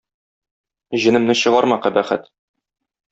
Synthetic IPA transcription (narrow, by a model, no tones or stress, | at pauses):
ʑɘ̆nɘ̆mnɘɕɤ̆ʁɑɾmɑqæbæχɘ̰t̪